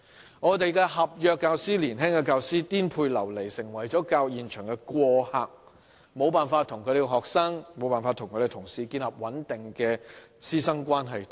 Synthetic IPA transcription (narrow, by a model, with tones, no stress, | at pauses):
ŋɔː˨˧t̪e˨jkɛ˧ɦɐ˨p̚jœː˨˧kːaː˧wsiː˥liː˨˩nɦɛ˥ŋkɛ˧kaː˧wsiː˥t̪iː˥npʰuː˧jlɐ˨˩wle˨˩jsɪ˨˩ŋwɐ˨˩jt͡ʃɔː˨˥kaː˧wjiː˨nt͡ʃʰœː˨˩ŋkɛ˧kʷɔː˧haː˨k̚ | mo˨˧wpaː˨nfaː˧t̪ʰʊ˨˩ŋkʰɵ˨˧ɾe˨˧khɔː˨k̚sɐ˥ŋmo˨˧wpaː˨nfaː˧t̪ʰʊ˨˩ŋʰkʰːɾe˨˩tʰʊ˨˩ŋsiː˨˧kiː˧nlɐ˨p̚wɐ˨˥nt̪ɪ˨˩ŋkɛː˧ | siː˥sɐ˥ŋkʷaː˥nɦɐ˨j̪